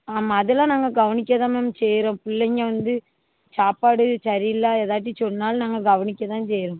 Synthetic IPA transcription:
aːmaːðɯlãːnaːŋɡɐɡɐʋɐnɪkʲːɐt̪ãːmemt͡ʃeːɾõːpʊlːɐŋɐʋɐnd̪ɯ | t͡ʃaːpaːɽɯt͡ʃɐɾɪlːaːeðaːʈ̬ːit͡ʃɔnːaːlnaːŋɡɐɡɐʋɐnɪkʲːɐt̪ãːseːɾõː

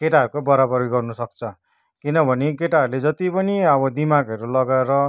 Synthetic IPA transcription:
keʈaɦʌɾukobʌɾabʌrɡʌrnusʌk̚t͡sʰʌ | kinʌbʱʌnekeʈaʌɾuled͡zʌt̪ipʌniʌbʌd̪imaɡɦʌɾulʌɡaeɾʌ

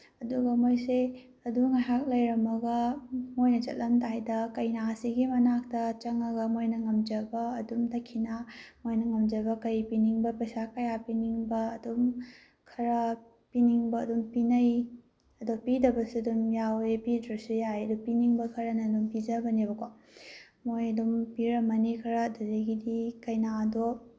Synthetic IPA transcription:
ɐduɡɐmojse | ɐduŋaɦak̚lɐjɾɐmɐɡɐmojnɐt͡ʃɐ̰t̚lɐmtajdɐkɐjnasiɡimɐnak̚tɐt͡ʃɐŋɐɡɐmojnɐŋɐmd͡ʒɐbɐːdumdɐkʰinamojnɐŋɐmd͡ʒɐbɐkɐjpiniŋbɐpɐjsakɐjapiniŋbɐːdum | kʰɐɾɐ | piniŋbɐːdumpinɐj | ɐdopidɐbɐsuɐdumjawepidɾɐsujajɐdupiniŋbɐkʰɐɾɐnɐdumpid͡ʒɐbɐnebɐkʰo | mojɐdumpiɾɐmɐnikʰɐɾɐdɐzɐɡidikɐjnaɐdo

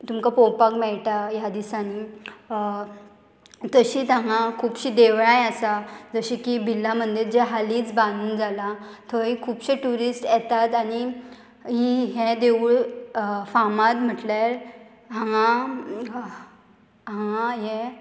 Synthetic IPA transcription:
t̪umkapopakmɛɭʈajad̪isani | t̪əɕiːt̪ãŋãkʰuːpɕid̪eʋɭãjasad͡zəɕikibʱilːam̤ənd̪eɾd͡ʑɛɦaliːt͡sbãnuːnd͡zala | t̪ʰəɦikʰuːpɕeʈuɾisʈjɛt̪at̪aɽ̃i | ɦiɦɛ̃d̪eʋuɭ | famat̪m̤əʈlaɾ | ɦãŋa | ɦãŋãɦɛ

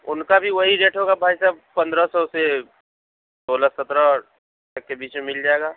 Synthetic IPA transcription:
ʊnkabʱiʋɐɦiɾeːʈɦoːɡabʱaːjsaːb̚pɐ̃nd̪ɾəsɔse | d̪oːləsət̪ɾə | ʈəkːebiːt͡ʃmemɪld͡ʒaːeɡaː

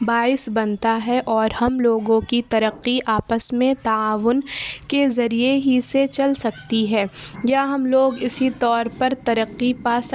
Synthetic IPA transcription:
baːɪsbɐnt̪aɦɛʔɔːɾhɐmloːɡõkit̪ɐɾəqːiʔaːpəsmẽt̪ɐaːʋʊnkezɐɾieɦiset͡ʃɐlsɐk̚t̪iɦɛːjaɦɐmloːɡɪsit̪ɔːɾpɐɾt̪ɐɾəqːipaːs

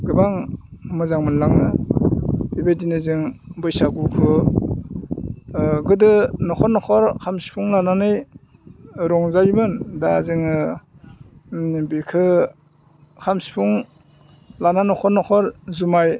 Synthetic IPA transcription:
ɡɯbaŋmɯzaŋmɯnlaŋnɯ | bibedinɯzɯŋbɯjsaɡukʰɯ | ɡɯdɯnɔkʰɔɾnɔkʰɔɾkʰamsi̥pʰuŋlananɯj | ɾɔŋzajmɯndazɯŋɯ | bikʰɯ | kʰamsi̥pʰuŋ | lananɔkʰɔɾnɔkʰɔɾzumaj

